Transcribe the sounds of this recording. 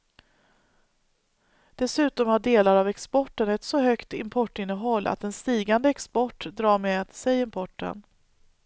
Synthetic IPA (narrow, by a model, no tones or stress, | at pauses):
d̪̥ɛsʉ̟ːt̪ɔmhaɖeːlaɾavɛkspɔʈːənɛt̪sɔɦœkt̪ɪmpʰɔʈːɪnːəɦɔlːʔa̰t̪ɛnst̪iːɡand̪əɛkspɔʈːd̪ɾɑːɾmeːat̪sɛjɪmpʰɔʈːə̰n